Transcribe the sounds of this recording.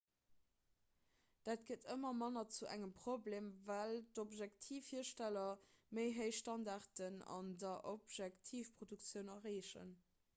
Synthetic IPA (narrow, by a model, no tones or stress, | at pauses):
d̥aːtɡ̥ətʰəmɐmɑnɐt͡suʔæŋəmpʁobleːmvæltopʒæktʰiːfhiːɐʃtælɐməɪɦəɪʃtɑndɑʁtənɑ̰ndɐʔopʒæktʰiːfpʁ̥odukt͡sjəʊnɐʁeːʃə̰n